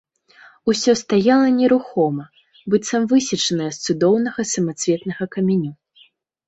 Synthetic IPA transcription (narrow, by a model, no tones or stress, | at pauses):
usʲɔst̪ajalˠɐnʲɛɾuxɔmɐ | bɨt̪sɐmvɨsʲit͡ʂɐnɐjɛst̪sud̪ɔwnɐɣɐsɐmat̪svʲɛt̪nɐɣɐkɐmʲɛnʲu